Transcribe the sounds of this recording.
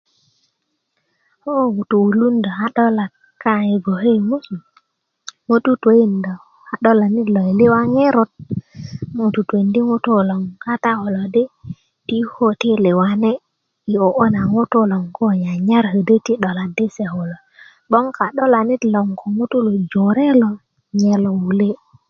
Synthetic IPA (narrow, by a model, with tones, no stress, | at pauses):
ho˦u˨tu˨wu˨lu˦nda˨a˦ɗɔ˦la˨t̚ | ka˦i˨ɡo˨he˦jmu˦su˨ | mo˦tu˦te˦i˦ndo˨ | a˨ɗo˦la˨ni˦tlo˨i˨li˦wa˦ŋe˦ɾo˦t̚ | mo˦˨tu˨te˨ndi˦ŋu˦to˦˨lo˨ŋka˦ta˦ho˨lo˨di˦ | ti˦ho˦ti˦le˨wa˦ne˦ | i˨o˨ʔo˦na˨ŋo˦to˦lo˨ŋko˦ɲa˨ɲa˦ɾhə˨də˦ti˦ɗo˨la˨di˦se˨ho˨lo˨ | ɓo˦ŋka˨ɗɔ˦la˨ni˦tlo˨ŋkʰo˨ŋu˦tu˦lo˨d͡ʒo˨ɾe˦lo˨ | ɲe˨lo˨wu˨le˦